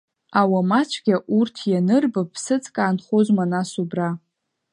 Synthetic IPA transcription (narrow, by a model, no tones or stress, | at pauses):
awamat͡ʃʷʰɡʲaʔurtʰjanɨrbapʰsɨt͡sʼkʼaːnχozmanasubra